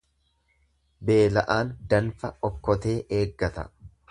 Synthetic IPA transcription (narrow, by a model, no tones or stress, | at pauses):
be̞ːlɐʔaːnd̪ɐnfɐɔkːɔt̪e̞ːʔeːɡːɐt̪ɐ̰